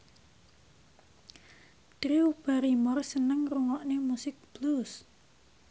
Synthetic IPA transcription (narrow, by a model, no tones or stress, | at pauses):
tɾiub̥aɾimɔrsənəŋruŋɔʔnemusɪk̚b̥lus